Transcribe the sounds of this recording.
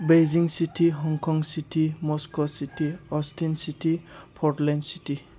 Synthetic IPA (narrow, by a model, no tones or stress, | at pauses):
bejziŋsitʰiɦɔŋkʰɔŋsitʰimɔskɔsitʰiɔstʰinsitipʰɔɾtlɛnsiti